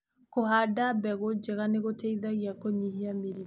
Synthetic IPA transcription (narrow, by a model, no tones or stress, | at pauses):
koɦadabɛɣod͡ʒeɣaneɣotɛiðaɣiakoɲiɦiamiɾi